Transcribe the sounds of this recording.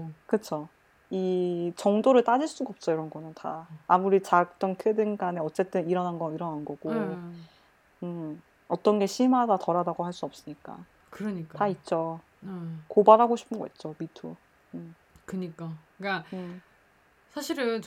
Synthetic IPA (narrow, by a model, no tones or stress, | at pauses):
kɯt͡ɕʰo | it͡ɕʌŋdoɾɯɭt͈ad͡ʑiɭs͈uɡaʌp̚t͡ɕ͈oiɾʌnɡʌnɯnta̰ːmuɾit͡ɕak̚t͈ʌnkʰedɯŋɡaneʌt͡ɕ͈e̞t͈ɯniɾʌnɦanɡʌiɾʌnɦanɡʌɡ̥o | ɯ | ʌt͈ʌnɡe̞ɕʰimadatʌɾadaɡohaɭs͈uʌp̚s͈ɯɲik͈a̰ | kɯɾʌɲik͈tait̚t͡ɕ͈o | kobaɾɦaɡoɕʰi̥pʰɯnɡʌit̚t͡ɕ͈omitʰu | ɯm | kɯɲik͈akɯk͈aɯ | sʰaɕʰiɾɯn